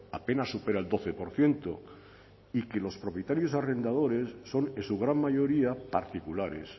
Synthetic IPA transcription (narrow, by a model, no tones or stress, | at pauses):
ape̞nasːupe̞ɾaeld̪o̞θe̞po̞ɾθje̞nt̪o | ike̞lo̞spɾo̞pjet̪aɾjo̞sare̞nd̪að̞o̞ɾe̞sːo̞nesuɣ̞ɾammaʝo̞ɾiapa̰ɾt̪ikulaɾe̞̰s